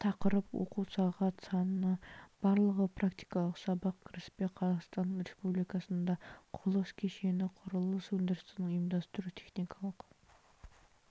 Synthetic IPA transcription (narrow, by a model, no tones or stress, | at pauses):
t̪ʰɑqəɾəpwo̰quwsɑʁɑt̪sɑnənɑb̥ɑɾlˠəʁəpʰrakt̪i̥jkɑlˠəqsɑbɑq̚kʲʰɪɾɪspeqʰɑzɑχst̪ɑnɾespublijkɑsənd̪ɑqʰʊlˠəskʲʰe̞ʃe̞nɪqʰʊɾəlˠəswɵnd̪ɪɾɪst̪ɪnɪŋʊjəmd̪ɑst̪ʊɾut̪ʰe̞χnijkʰɑlˠəq